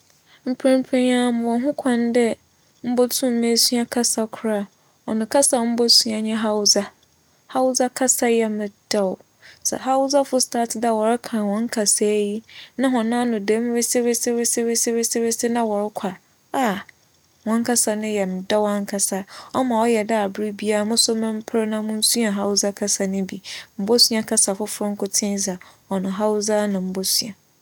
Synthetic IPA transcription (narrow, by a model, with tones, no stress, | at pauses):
m̩˦pʰẽ˦m˦pʰẽ˦ã˦mʊ̃˨wɔ̃˨ɦʊ̃˦kʰã˨n˦dɛ˦ | m̩˦bɔ˦tʰũ˦m̩˦mẽ˦su˦a˦kʰa˦sa˦kʰʊ˨ɾa˦ | ɔ˨nʊ̃˨kʰa˦sa˨m̩˦bɔ˦su˦a˨ɲɛ̃˦ɦa˦wʊ˦za˦ | ha˦wʊ˦za˦kʰa˦sa˦jɛ˨mɪ̃˨d̥a˨w | sɛ̰˨ɦa˦ʊ˦za˦fʊ˦stʰaː˦tʰɪ˨da˦˨wɔ˨ɾɪ˦kʰã˨wɔ̃˨˦ŋ˦kʰa˨sa˦ji˦nã˦ɦɔ̃˨nã˦nʊ̃˨dɛ˦m˦ɾɪ˦sɪ˦ɾɪ˦sɪ˦ɾɪ˦sɪ˦ɾɪ˦sɪ˦ɾɪ˦sɪ˦ɾɪ˦sɪ˦nã˦wɔ˨ɾɪ˦kʷʰa˨ | a˨ | wɔ̃˦ŋ˦kʰa˦sa˨nʊ̃˦jɛ˨m̩˨da˦wã˦ŋ˦kʰa˨sa˦ɔ˦mã˨ɔ˦jɛ˨da˦a˨bɪ˦ɾi˦bi˦a˦˨mʊ̃˦sʊ˦mã˦m̩˦pʰɾnã˦mʊ̃˦n̩˦su˦a˨ɦa˦wʊ˦za˦kʰa˦sa˨nʊ̃˦bi˨m̩˨bo˦sɥa˦kʰa˦sa˨fʊ˦fʊ˦ɾʊ̃˦ŋ̩˦kʊ˦tʰɪ̃˦n˦za˨ | ɔ˨nʊ̃˨ɦa˦ʊ˦za˦nã˨m̩˦bo˦su˦a˨